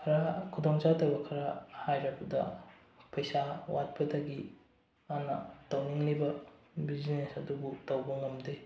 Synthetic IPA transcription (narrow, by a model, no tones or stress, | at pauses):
kʰɐɾakʰudɔŋt͡ʃatɐwbɐkʰɐɾahajɾapɐdɐ̰ | pɐjsawʔat̚pɐdɐɡi | anɐ̰tɐwniŋlibɐbid͡ʒnesɐdubutɐwbɐŋɐmde